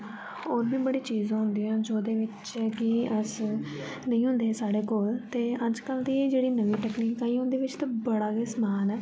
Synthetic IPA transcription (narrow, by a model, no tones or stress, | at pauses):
oːɾbʱiːbəɽiːt͡ʃiːzãːɦʊnd̪iːãːd͡ʒoːd̪eːʋɪt͡ʃ | kɪəs | nəĩːɦʊ̃nd̪eːsaːɽeːkoːlt̪eːəd͡ʒkəld̪iːeːd͡ʒeːɽiːnəʋiːʈɛːkniːkaːiːɦʊ̃nd̪eːʋɪt͡ʃt̪aːbəɽaːɡeːsmaːlɛː